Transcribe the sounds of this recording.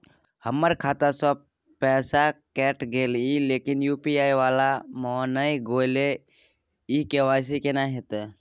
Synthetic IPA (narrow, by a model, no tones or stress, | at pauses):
həmːəɾkʰaːt̪asɔ | pɛːsakɛːʈɡeːlileːkɪnjuːpiaːiʋaːlamɔːnəiɡoːɪle | ikeʋaːjs̬ikenaɦet̪e